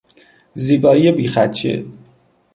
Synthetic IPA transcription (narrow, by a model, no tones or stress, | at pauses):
ziːbɒːiebiːxæt̪t͡ʃʰḛ